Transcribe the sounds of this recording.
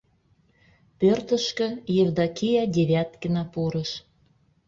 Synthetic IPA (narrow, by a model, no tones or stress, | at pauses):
pørt̪ə̆ʃkø̆jevd̪ɑkʲijɑd̪ʲeβʲæt̪kə̆nɑpuɾə̆ʃ